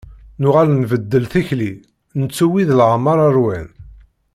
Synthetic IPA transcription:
nʊʁalnvəd̪ːəlθiçli | nət͡sːuwiðlʕmːɑɾˤɑɾwæn

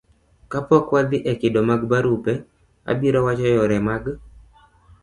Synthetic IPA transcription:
kapɔkwad̪ɪʔɛkɪdomaɡbaɾupɛ | a̰biɾɔwat͡ʃɔjɔɾɛmaɡ

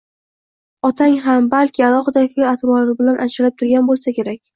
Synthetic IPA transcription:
ɒt̪ʰaŋɦambalkʲʰɪalˠɒχɨd̪afelat̪ʰmɒlaɾbɪlanʔaʃalap̚t̪ʰʊɾɡʲanbolˠsakʲʰe̞ɾakʲ

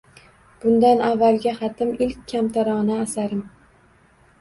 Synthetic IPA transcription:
b̥ʊnd̪anavːalˠɡʲaχɑt̪ʰɪmɪlkʲʰːamt̪ʰaɾɒnaːsaɾɪm

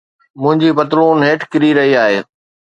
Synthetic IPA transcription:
mʊ̃ɦɪ̃ɲd͡ʑipɐt̪ɾoːnɦeːʈkɪɾiɾɐɦiaːɦeː

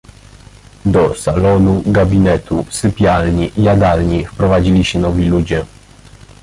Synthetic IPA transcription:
d̪ɔsalɔnuɡabʲinɛt̪usɘpʲjalɲijad̪alɲifpɾɔvad͡ʑilʲiɕɛnɔvʲilud͡ʑɛ

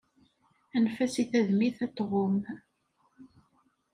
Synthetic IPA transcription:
ænfæsiθæðmiθæt̪ːʁom

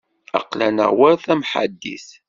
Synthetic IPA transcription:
ɑ̰qlænə̰ʁwæɾθæmħa̰d̪ːḭθ

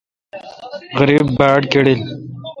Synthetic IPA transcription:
ɣəɾibːaːʈkeɽil

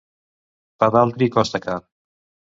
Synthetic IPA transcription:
paðalt̪ɾikɔst̪aka

